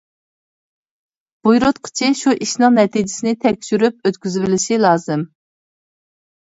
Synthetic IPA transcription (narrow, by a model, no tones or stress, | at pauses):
b̥ujɾot̪qʰə̥t͡ʃʰiʃuʔiʃnɨŋnɛt̪ʰid͡ʒɪsɪnɪt̪ʰɛkʲʃyɾyp̚øt̪kʲyzbɪlɪʃilˠɑːzɨm